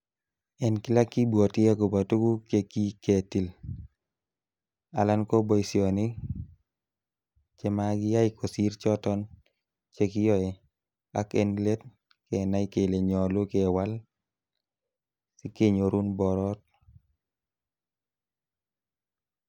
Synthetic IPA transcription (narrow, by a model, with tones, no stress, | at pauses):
ɛ˨nkɪ˦la˦kːi˦bwɔ˨tɪ˦ja˦ko˨ba˨tu˦ɡu˦ke˦ki˦ke˨ti˨l | a˨la˦nko˦bɔ˦isjɔ˨nɪ˦ | t͡ʃɛ˦ma˦ɡɪ˦ja˦ɪ˦kʰo˨si˦ɾt͡ʃɔ˦tɔ˦n | t͡ʃe˦kɪ˦jɔ˦ɛ˨ | a˦kɛ˦nle˦t̚ | kɛ˨na˦i˦ke˨le˨ɲɔ˨lo˦ke˨wa˦l | si˦ke˦ɲo˨ɾu˦nbɔ˨ɾɔ˦t̚